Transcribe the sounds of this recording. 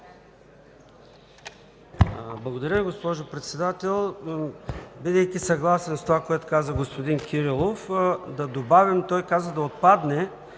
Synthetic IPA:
blˠɐɡod̪ɐɾʲjəviɡospɔʒopɾɛt̪sɛd̪at̪ɛlˠ | bid̪ɛjkʲisɐɡlˠasɛnst̪ovakoɛt̪ʊ̥kazəɡospod̪inkʰʲiɾilˠofd̪ɐd̪obavʲimt̪ɔjkazəd̪ɐot̪̚pad̪nɛ

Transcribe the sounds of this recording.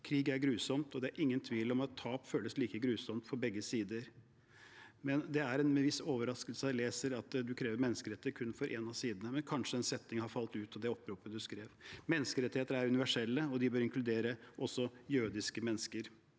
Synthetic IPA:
kʰɾiːɡæɾɡɾʉːsɔmt̪ɔd̪ɛæɾʔɪŋːənt̪ʰʋiːlɔmɑt̪ʰːɑːpføːləsliːkəɡɾʉːsɔmt̪pʰɔbɛɡːəsiːd̪əɾ | mɛnd̪ɛæɾɛnmɛʋɪsoːʋəɾɑskəlsəleːsəɾɑt̪d̪ʉkʰɾeːʋəɾmɛnːəskəɾɛt̪ːəkʰʉnːfɔɾʔɛnɑsiːd̪ənəmɛnkʰɑnʂəɛnsɛt̪ːɪŋhɑɾfɑlt̪ʉːt̪ɑd̪ɛɔpɾupːəd̪ʉskɾeːʋmɛnːəskəɾɛt̪ːɪheːt̪əɾəæɾʉnɪʋæʂɛlːəɔd̪ɪbøːɾɪŋklʉd̪eːɾəʔɔsɔjøːd̪ɪskəmɛnːəskəɾ

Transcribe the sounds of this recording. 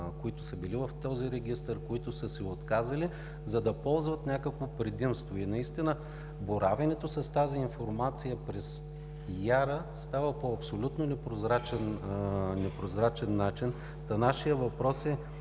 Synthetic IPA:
koit̪ʊsəbilivɐft̪ɔziɾɛɡist̪əɾkoit̪ʊsəsɛot̪kazɐli | zɐd̪ɐpɔlˠzvɐt̪nʲakəkvopɾɛd̪imst̪voinɐist̪inə | boɾavɐnɛt̪osɐst̪aziːnfoɾmat̪sijəpɾɛs | jaɾəst̪avəpoɐpsolʲut̪nonɛpɾozɾat͡ʃɛnnɛpɾozɾat͡ʃɛnːat͡ʃin | t̪ɐnaʃijəvɐpɾɔsɛ

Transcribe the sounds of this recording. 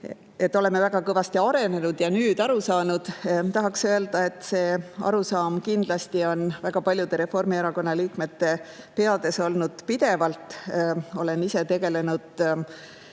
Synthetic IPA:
e̞t̪ːˑo̞le̞mːe̞væɡ̥ɑkɤvɑst̪iɑɾe̞ne̞nud̪̥jɑnyːd̪ɑɾusɑːnud̪̥t̪ɑɦɑksø̞e̞ld̪̥ɑe̞t̪ːˑse̞ːɑ̰ɾusɑːmkind̪̥lɑst̪io̞nvæɡ̥ɑpɑlʲjud̪̥e̞ɾe̞fo̞rmieɾɑko̞nːɑliːkme̞t̪ːe̞ | pe̞ɑd̪̥e̞so̞lnud̪̥pid̪e̞vɑlt̪ˑo̞le̞nise̞t̪e̞ɡ̥e̞le̞nud̪̥

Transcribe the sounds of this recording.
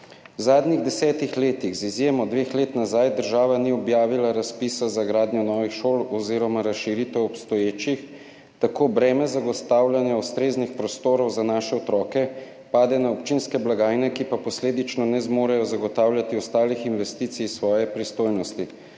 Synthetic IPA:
wzaːd̪niɣd̪ɛsɛːt̪ixleːt̪iɣzizjeːmɔd̪ʋeːxleːt̪nazajd̪əɾʒaːʋaniɔbjaːʋilaɾaspisazaɡɾaːd̪njɔnɔːʋixʃoːlɔziːɾɔmaɾasʃiɾiːt̪ɛwɔpst̪ɔjeːt͡ʃix | t̪akoːbɾɛːmɛzaɡɔst̪aːwlʲjanjaust̪ɾeːznixpɾɔst̪oːɾɔwzanaːʃɛɔt̪ɾɔːkɛ | paːd̪ɛnaɔpt͡ʃinskɛblaɡaːjnɛkipapɔsleːd̪it͡ʃnɔnɛzmoːɾajɔzaɡɔt̪aːwlʲjat̪iɔst̪aːlixinʋɛst̪iːt̪sijsʋɔːjɛpɾist̪oːjnɔst̪i

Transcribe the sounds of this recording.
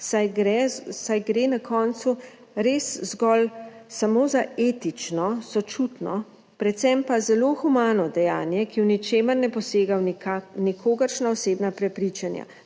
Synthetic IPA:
sajɡɾɛsajɡɾenakʰɔːnt̪su | ɾeszɡɔlsamoːzaeːt̪it͡ʃnɔsɔt͡ʃut̪nɔ | pɾɛt̪sɛmpazɛloːxumaːnɔd̪ɛjaːnjɛkiwnit͡ʃeːməɾnɛpɔseːɡawnianikʰoːɡəɾʃnaɔseːbnapɾɛpɾit͡ʃanja̰

